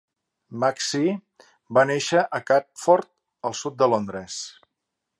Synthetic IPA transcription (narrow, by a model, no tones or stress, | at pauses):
maksi | baneʃəʔəkapfɔɾt̪̚ | əlˠsut̪̚d̪əlond̪ɾəs